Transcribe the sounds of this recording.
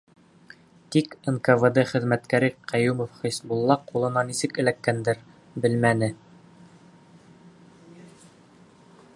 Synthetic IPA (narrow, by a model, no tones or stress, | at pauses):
t̪ikenkəved̪ɘχɘ̆ðmæt̪kæɾiqʰæjumofχɤ̆jsbulˠːɑqulˠɤ̆nɑnisɘkɘ̆lækːænd̪ɘɾ | bɘlmænɘ